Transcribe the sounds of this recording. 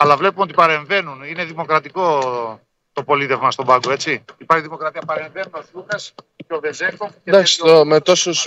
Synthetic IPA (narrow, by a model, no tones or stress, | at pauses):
ɐlɐvle̞pumeo̞t̪ipɐɾe̞ɱve̞nunine̞ðimo̞kɾɐt̪iko̞ | t̪o̞po̞lit̪evmɐst̪o̞bɐɡoe̞t͡siipɐɾçiðimo̞kɾɐt̪iɐpɐɾe̞ɱvenunosunɐs | covezekod̪ɐksomet̪o̞sus